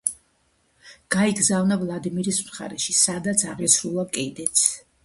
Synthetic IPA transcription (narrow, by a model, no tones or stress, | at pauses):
ɡ̥aiɡzavnavlˠad̪imiɾismχa̰ɾɛʃisad̪at̪sʰaʁisʰɾulˠakʼɛd̪ɛt̪sʰ